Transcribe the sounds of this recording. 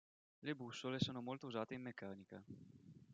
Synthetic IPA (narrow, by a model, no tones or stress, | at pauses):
lebusːolesoːnomolt̪ouzaːt̪eimːekːaːnika